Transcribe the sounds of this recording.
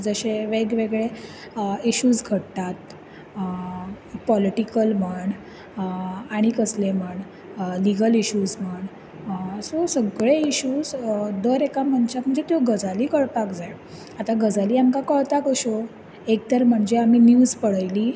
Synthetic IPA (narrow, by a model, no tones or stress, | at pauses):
d͡zəɕeʋeɡʋeɡɭe | iɕuːd͡zɡʱəʈt̪at̪ | pɔliʈikəlməɳ | aɽ̃ikəsleməɳ | liɡəliɕud͡zməɳ | sosəɡɭeiɕuːd͡zd̪əɾekam̤əɳt͡ɕak̪məɳd͡zet̪joɡəd͡zaliːkəɭpakd͡zaj | at̪aɡəd͡zaliːamkakəɭt̪akəɕo | ek̚t̪əɾm̤əɳd͡zeaminjuːd͡zpəɽəjliː